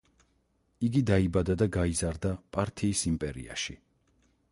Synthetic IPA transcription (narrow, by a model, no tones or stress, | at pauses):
iɡid̪aibad̪ad̪aɡaizaɾd̪apʼaɾt̪ʰiːsimpʼɛɾḭa̰ʃi